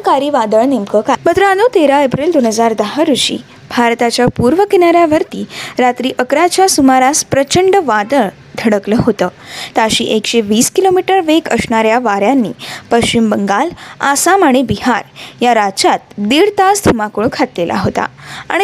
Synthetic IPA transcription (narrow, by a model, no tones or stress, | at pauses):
kaɾiːʋad̪əɭnemkəkamət̪ɾəanot̪eɾaepɾild̪onɦəd͡zaɾd̪əɦəɾuɕḭː | bʱaɾt̪at͡ɕjapuɾʋəkenaɾjaʋəɾt̪iːɾat̪ɾiːʔəkɾat͡ɕjasumaɾaspɾət͡ɕəɳɖʋad̪əɭ | d̪ʱəɽəkləɦot̪əːt̪aɕḭːʔekɕeʋiːskilomiʈəɾʋekəsɳaɾjaʋaɾjanːḭːpəɕt͡ɕimbəŋɡalasamaɽ̃ibiɦaɾjaɾat͡ɕat̪̚d̪iɭt̪asd̪ʱumakuɭkʰat̪lelʔa̰ɦot̪a̰a̰ɽ̃i